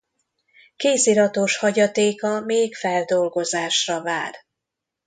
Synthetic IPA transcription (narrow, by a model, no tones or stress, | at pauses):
keːsiɾɒt̪oʃhɒɟɒt̪eːkɒmeːkfɛld̪o̞lɡo̞zaːʃrɒva̰ːr